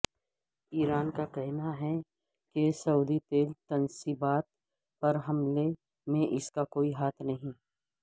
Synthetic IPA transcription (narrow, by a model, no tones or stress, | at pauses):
iːɾaːnkakɛɦnaɦɛ | kesɐuːd̪it̪eːlt̪ɐnsibaːt̪̚ | pɐɾɦɐmle | mẽʔɪskakoːiɦaːt̪ʰnɐɦĩ